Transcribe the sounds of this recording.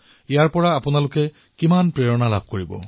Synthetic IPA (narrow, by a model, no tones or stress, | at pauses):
ijaɹpɔɹaːpʊnalʊkɛ | kimanpɹeɹɔnalabʱkoɹibɔ̰